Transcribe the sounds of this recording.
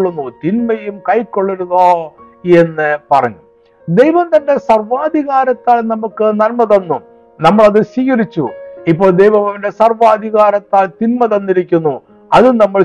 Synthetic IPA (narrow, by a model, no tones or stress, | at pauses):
ɭːunːut̪inmɐjumkɐjkːo̞ɭːuɾuðoː | e̞nːɨpɐrɐɲːu | d̪ejʋɐmt̪ɐnde̞sɐrʋaːd̪ʱiɣaːɾɐt̪ːaːlnɐmukːɨnɐlmɐðɐnːu | nɐmːɐɭɐðɨɕiːɣɐɾit͡ɕːṵipːo̞ːɭd̪ejʋɐmɐnde̞sɐrʋaːd̪ʱiɣaːɾɐt̪ːaːlt̪inmɐðɐnːiɾikʲːunːu | ɐðɨnɐmːɐɭ